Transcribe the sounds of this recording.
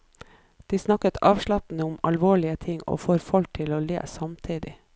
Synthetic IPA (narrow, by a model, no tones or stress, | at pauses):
d̪̥iːsnɑkət̪ʰɑːʋʃɭɑpn̩əʊmɑ̰lʋoːɭɪət̪ʰɪŋo̰ːfoːɾfɔlk̚t̪ʰɪloːlḛːsɑmt̪ʰiːd̪ɪ